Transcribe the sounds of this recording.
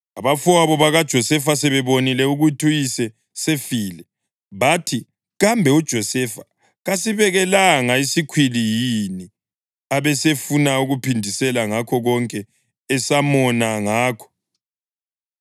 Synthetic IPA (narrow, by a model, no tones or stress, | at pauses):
aβafuaβɔβaɣad̥ʒ̥ʱɔsɛfasɛβɛβonilɛuɣutʰujisɛ | sefiːlɛ | βatʰi | ɣambʱɛud̥ʒ̥ʱɔsɛfa | ɣasiβɛɣɛlaŋaisikʰwilijini | aβɛsefunauɣupʰindʱisɛlaŋakʰɔɣɔŋkʼɛː | samɔnaŋaːkʰɔ̥